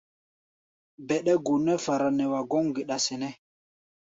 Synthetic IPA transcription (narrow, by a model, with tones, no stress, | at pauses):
bɛ˨ɗɛ˦ɡu˨nɛ˦fa˨ɾa˨nɛ˨wa˨ɡɔ˦ŋɡi˨ɗa˨sɛ˨nɛ˦